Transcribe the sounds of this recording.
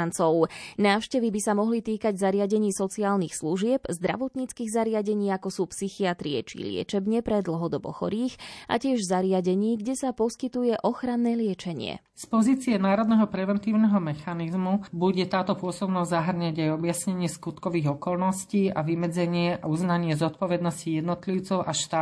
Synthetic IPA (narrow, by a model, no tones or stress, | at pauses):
nt͡sɔʊnaːʊʃcɛʋibisamɔɦlit̪iːkaɟzaɾɪaɟɛɲiːsɔt͡siaːlnixsluʒɪɛbzd̪ɾa̰ʋɔt̪ɲiːt͡skiːɣzaɾɪaɟɛɲiːakɔsuːpsixiat̪ɾiɛ̰t͡ʃḭlɪɛ̰t͡ʃɛbɲɛpɾɛd̪l̩ɦɔd̪ɔbɔ̰xɔ̰ɾiːxʔa̰cɪɛʒzaɾɪaɟɛɲiːɡɟɛsapɔskit̪ujɛʔɔxɾanːɛːlɪɛt͡ʃɛɲɪ̰ɛ̰ | spɔziːt͡siɛnaːɾɔd̪nɛɦɔpɾɛʋɛnt̪iːʊnɛɦɔmɛxanizmubuɟɛt̪aːt̪ɔpʊɔsɔbnɔzʲzaɦr̩ɲaɟajɔbjasɲɛɲɪɛskut̪kɔʋiːɣɔkɔlnɔsciːaʋimɛd͡zɛɲɪɛauznaɲɪɛzɔt̪pɔʋɛd̪nɔscijɛd̪nɔt̪liʊt͡sɔʊʔaʃt̪aː